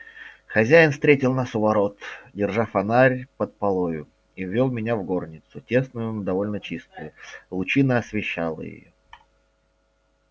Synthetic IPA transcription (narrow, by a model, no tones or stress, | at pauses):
xɐzʲæjɪnfst̪ɾʲetʲɪlˠnasʊvɐɾo̞t̪dʲɪrʐafɐnaɾʲpət̪̚pɐlˠojʊ | ivʲːolˠmʲɪnʲavɡo̞rnʲɪt̪sʊtʲe̞snʊjʊd̪ɐvo̞lʲnət͡ɕist̪ʊjʊlˠʊt͡ɕinəɐsvʲɪɕːalˠə̰jɪ̰jo